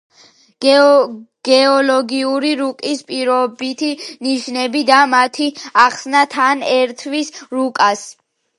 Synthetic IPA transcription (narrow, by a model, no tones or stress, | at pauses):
ɡ̥ɛɔlɔɡiuɾiɾukʼispʼiɾɔbit̪ʰiniʃnɛbid̪amat̪ʰiaχsnat̪ʰanɛɾt̪ʰvisɾukʼas